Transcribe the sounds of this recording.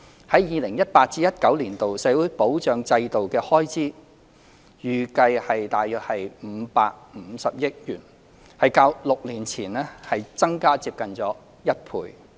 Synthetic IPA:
hɐ˨˥jjiː˨˧lɪ˨˩ŋjɐ˥t̚paː˧t̚t͡siː˥jɐ˥t̚kɐ˨˥wliː˨˩nt̪o˨wsɛː˨˥wuː˨˥jpo˨˥wt͡ʃœː˨˧ŋt͡sɐ˧jt̪o˨wkɛː˧hɔː˥jt͡siː˥ | jyː˨kɐ˧jhɐ˨jt̪aː˨jœː˧hɐ˨jm̩˨˧˥pa̰ː˧k̚m̩˨˧˥sɐ˨p̚jɪ˥t̚jyː˨˩n | hɐ˨jkaː˧wlʊ˨k̚liː˨˩nt͡sʰiː˨˩nɛː˥hɐ˨jt͡sɐ˥ŋkaː˥t͡siː˧p̚kɐ˨nt͡sɔː˨˥ | jɐ˥t̚pʰṵː˧j

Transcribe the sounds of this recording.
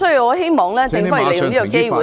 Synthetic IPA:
ɵ˥ji˧wɔ˨˧ɦe˥jmɔː˨˩ŋlɛː˥t͡sɪ˨˧ŋfɔː˥˨˩le˨˧jʊ˨˧ŋiː˥kɔ˨˩ke˥jwuː˨˩

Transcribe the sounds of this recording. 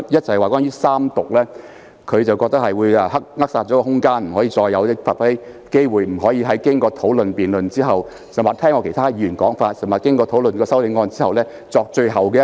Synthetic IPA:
jɐ˥t̚t͡sʰɐ˨jwaː˨kwaː˥nyː˥saː˥mt̪ʊ˨k̚lɛː˥ | kʰɵ˨˧ɥt͡sɐ˨wkɔː˧k̚t̪ɐ˥k̚hɐ˨jwuː˨˧jɐ˨˧ɦɐ˥k̚ŋɐ˥k̚saː˧t̚t͡ʃɔː˨˥kɔː˧ɦʊ˥ŋkaː˥nm̩˨˩ɦɔː˨˥jiː˧t͡sɔː˧jːɐ˨˧wt̪ɪ˥k̚fa̰ː˧˩fa˦˥e˥j | ke˥jwuː˨˩jm̩˨˩ɦɔː˨˥jiː˧ɦɐ˨˥jkɪ˥ŋkɔː˧t̪ʰo˨˥wlɵ˨npiː˨nlɵ˨nt͡siː˥ɦɐ˨w | sɐ˨˩maː˨t̪ʰɛː˥ŋɔ˧kʰe˨˩jt̪ʰaː˥jiː˨˧˩y˨˩nkɔː˨˥ŋfaː˧t̚sɐ˨˩maː˨˩kɪ˥ŋkɔː˧t̪ʰo˨˥wlɵ˨nkɔː˧sɐ˥wlɪ˨˧˥ŋɔː˧nt͡siː˥hɐ˨wlɛː˥ | t͡sɔː˧k̚t͡ʃɵ˧ɥɦɐ˨wkɛː˧

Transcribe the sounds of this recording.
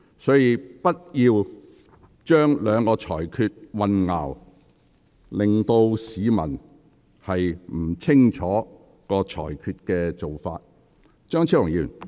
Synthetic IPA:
sɔː˨˥jiː˨˧pɐ˥t̚jiː˧w | t͡ʃœː˥ŋlœː˨˧ŋkɔː˧t͡ʃʰɔ̰ː˨˩jkʰyː˧t̚wɐ˨nŋa̰ː˨˩w | lɪ˨ŋt̪o˧wsiː˨˧mɐ̰˨˩n | hɐ˨jm̩˨˩t͡sʰɪ˥ŋt͡ʃʰɔː˨˥ | kɔː˧t͡ʃʰɔ̰ː˨˩jkʰyː˧t̚kɛː˧t͡ʃo˨wfa̰ː˧t̚ | t͡ʃœː˥ŋt͡sʰi˥lʊ˨˩jiː˨˩˨

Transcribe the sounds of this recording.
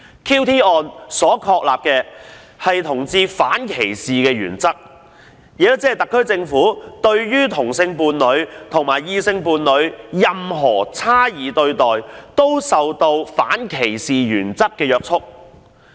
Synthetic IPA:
kʰiː˥wt̪ʰiː˥ʔɔː˧nsɔː˨˥kʰɔː˧k̚la̰ː˨p̚kɛː˧ | hɐ˨jt̪ʰʊ˨˩ŋt͡siː˧faː˨˥nkʰe˨˩jsiː˨kɛː˧jyː˨˩nt͡sɐ˥k̚ | ji˨ɐ˥t͡sɛː˥˨˩t̪ɐ˨kʰːɵ˥ɥt͡sɪ˧ŋfuː˨˥t̪ɵ˧ɥjyː˥t̪ʰʊ˨˩ŋsɪ˧ŋpuː˧nlɵ˨˧ɥt̪ʰʊ˨˩ŋmaː˨˩jiː˧sɪ˧ŋpuː˧nlɵ˨˧ɥjɐ˨mɦɔː˨˩t͡sʰaː˥jiː˨˥t̪ɵ˧ɥt̪ɔː˨jt̪o˥wsɐ˨wt̪o˧wfa̰ː˨˥nkʰe˨˩jsiː˨jyː˨˩nt͡sɐ˥kːɛː˧jœː˧k̚t͡sʰʊ˥k̚

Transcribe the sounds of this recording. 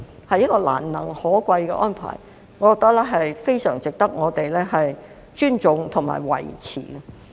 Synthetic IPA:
hɐ˨jːɐ˥t̚kɔː˧la̰ː˨˩nːɐ˨˩ŋhɔː˨˥kʷɐ˧jkɛ̰˧ʔɔː˥npʰa̰ː˨˩j | ŋɔː˨˧kɔː˧k̚t̪ɐ˥k̚lɛː˥ɦɐ˨jfe˥jsœː˨˩ŋt͡sɪ˨k̚t̪ɐ˥k̚ŋɔː˨˧t̪e˨jlɛː˥ɦɐ˨j | t͡ʃyː˥nt͡sʊ˨˧ŋt̪ʰʊ˨˩ŋma̰ː˨˩jwɐ̰˨˩jt͡sʰḭː˨˩ɡɐ˧

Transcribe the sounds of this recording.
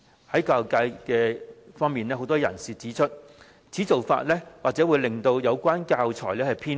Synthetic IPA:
hɐ˨˥jkaː˧wkaː˧jkɛː˧fɔː˥ŋmiː˨nɛː˥ɦo˨˥wt̪ɔː˥jɐ̰˨˩nsiː˨˩t͡siː˨˥t͡ʃʰɵ˥t̚ | t͡sʰiː˨˥t͡so˨˩wfa̰ː˧t̚lɛː˥waː˨k̚t͡sɛː˨˥wuː˨˧jlɪ˨ŋt̪o˧wjɐ˨˧wkʷaː˥nkaː˧wt͡sʰɔː˨˩jlɛː˥hɐ˨˩jpʰiː˥

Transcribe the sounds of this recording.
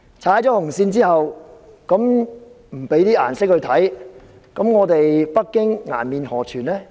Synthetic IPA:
t͡sʰaː˨˥jt͡sɔː˨˥hʊ˨˩ŋsiː˧nt͡siː˥hɐ˨w | kɐ˨˥m | m̩˨˩pe˨˥jt̪iː˥ʔa̰ː˨˩nsɪ˥k̚hɵ˧t̪ʰɐ˨˥j | kɐ˨˥mŋɔː˨˧t̪e˨jpɐ˥k̚kːɪ˥ŋŋa̰ː˨˩nmiː˨˧nhɔː˨˩t͡ʃʰyː˨˩nlɛː˥

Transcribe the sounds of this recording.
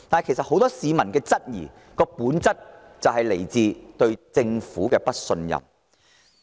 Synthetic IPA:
t̪aː˨n˨jkʰe˨˩sɐ˨t̚ho˨˥wt̪ɔː˥siː˨mɐ˨˩nkɛː˧t͡sɐ˥t̚jḭː˨˩ | kɔː˧puː˨˥nt͡sɐ˥t̚ | t͡sɐ˨wɦɐ˨jle˨˩jt͡siː˧t̪ɵ˧ɥt͡sɪ˧ŋfuː˨˥kɛː˧pɐ˥t̚sɵ˧njɐ̰˨˩m

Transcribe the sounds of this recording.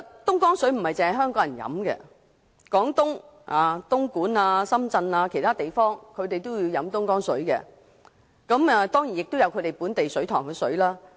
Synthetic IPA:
t̪ʊ˥ŋkɔː˥ŋsɵ˨˥ɥm̩˨˩hɐ˨jt͡sɪ˨ŋhɐ˨ɦœː˥ŋkɔː˨˥jɐ˨˩njɐ̰˨˥mkɛ̰˧ | kɔː˨˥ŋt̪ʊ˥ŋ | aː˨t̪ʊ˥ŋkuː˨˥naː˧sɐ˥mt͡sɐ˧naː˧kʰe˨˩jt̪ʰaː˥t̪e˨˩jfɔː˥ŋkʰɵ˨˧ɥt̪e˨jt̪o˥wjiː˨˧wjɐ˨˥mt̪ʊ˥ŋkɔː˥ŋsɵ̰˨˥ɥkɛ̰ː˧ | kɐ˨˧˥mɛ˨˧t̪ɔː˥ŋji˨˩njɪ˨k̚t̪o˥wjɐ˨˧wkʰte˨jpuː˨˥nt̪e˨jsɵ˨˥ɥt̪ʰɔː˨˩ŋkɛː˧sɵ̰˨˥ɥlaː˥

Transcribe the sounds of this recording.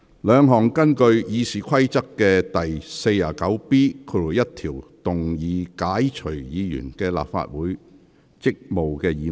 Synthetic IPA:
lœː˨˧ŋɦɔː˨˩ŋkɐ˥nkɵ˧ɥjiː˨˧siː˨kʰɐ˥jt͡sɐ˥kːɛː˧t̪ɐ˨jse˧jːaː˨kɐ˨˥wpiː˥kʰo˨˧u˨˩jɐ˥t̚t̪ʰiː˨˩wt̪ʊ˨ŋjiː˨˧kaː˨˥jt͡ʃʰɵ˨˩ɥjiː˨˧jy̰ː˨˩nkɛː˧la̰ː˨pfa̰ː˧t̚wuː˨˥j | t͡sɪ˥k̚mo˨wkɛː˧jiː˨

